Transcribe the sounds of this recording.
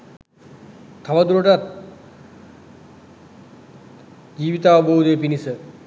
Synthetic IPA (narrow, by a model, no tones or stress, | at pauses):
t̪ʰːaʋad̪uɾəʈat̪̚ | d͡ʒiːʋit̪aːʋəboɦud̪əjpinisə